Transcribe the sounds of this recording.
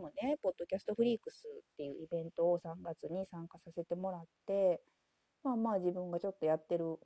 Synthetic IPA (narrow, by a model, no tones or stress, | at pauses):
mo̞nepo̞d̪̥ːo̞kʲasɨ̥t̪o̞ɸɯ̟ɾʲiːkɯ̟sɨt̪ːe̞jɯ̟̰ʔibẽ̞nt̪o̞ːsãŋɡat͡sɨɲ̟isãŋkasase̞t̪e̞mo̞ɾat̪ːe̞ | maːmaːd͡ʑibɯ̟̃ŋɡat͡ɕo̞t̪ːo̞jat̪ːe̞ɾɯ̟